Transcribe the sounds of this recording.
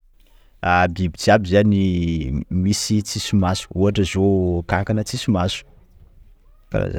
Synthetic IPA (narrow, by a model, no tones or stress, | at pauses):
abibit͡siabizani | misit͡sisumasu̥uɦaʈ͡ʂəzokakanət͡sisumasu̥ | ka̰ɾa̰za̰